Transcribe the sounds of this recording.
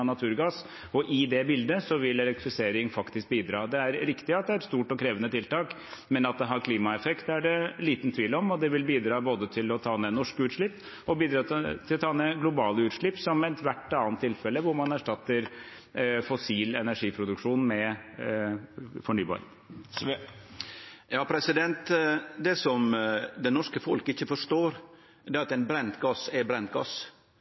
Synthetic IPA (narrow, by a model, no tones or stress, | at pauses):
nɑt̪ʰʉːɾɡɑs | ɔʔɪd̪ɛbɪld̪əsɔʋɪlɛlɛkt̪ɾɪfɪseːɾɪŋfɑkt̪ɪsk̚biːd̪ɾɑːd̪ɛæɾɾɪkt̪ɪɑt̪̚d̪ɛæɾɛt̪st̪uːʈɔkʰɾeːʋənət̪ʰɪlt̪ɑːk | mɛnɑt̪̚d̪ɛɦɑɾkʰliːmɑɛfɛkt̪æɖɛliːt̪n̩t̪ʰʋiːlɔmɔd̪ɛʋɪlbiːd̪ɾɑːboːd̪ət̪ʰɪlɔt̪ʰɑːnɛnɔʂkʉːt̪ʂɭɪpː | ɔbiːd̪ɾɑːt̪ʰɪlɔt̪ʰɑːnɛɡlʊbɑːləʉːt̪ʂɭɪpːsɔmɛt̪ʰʋæʈːɑːnt̪ʰːɪlfɛlːəʋʊɾmɑnæʂʈɑt̪ːəɾ | fɔsiːlɛnæʂiːpʰɾʊd̪ʉkʂuːnmɛ | fɔɳyːbɑ̰ːɾə | jɑːpʰɾɛsɪd̪ɛnt̪d̪ɛsɔmd̪ɛnɔʂkəfɔlkɪçːəfɔʂʈoːɾ | d̪ɛɾɑt̪ɛɪnbɾɛnt̪ɡɑsɛbɾɛnt̪̚ɡɑ̰s